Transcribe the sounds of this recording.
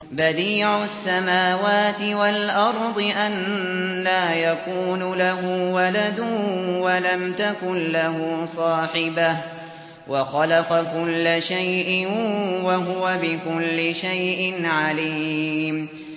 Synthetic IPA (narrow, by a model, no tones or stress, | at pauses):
bad̪iːʕʊsːamaːwaːt̪ɪwalʔɑɾˤd̪ˤɨʔanː | aːjakuːnʊlaɦʊwalad̪ʊwalamt̪akʊnlahʊsˤɑːħɪbah | wɑxɑlɑqɑkʊlːaʃajʔɪwaɦʊwabɪkʊlːɪʃajʔɪnʕaliːm